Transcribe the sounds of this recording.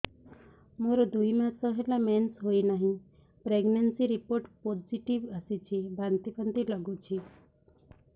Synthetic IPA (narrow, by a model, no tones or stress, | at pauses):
moɾod̪ʱuimãsəɦelamɛnsɦoinaɦĩ | pɾeɡnənsiɾipoɾʈpɔd͡ʒiʈiʋəsit͡ʃʰibʱant̪ipənt̪iləɡũt͡ʃʰi